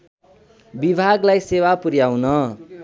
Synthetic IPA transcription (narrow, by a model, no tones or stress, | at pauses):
bibʱaɡlajsewapuɾjawnʌ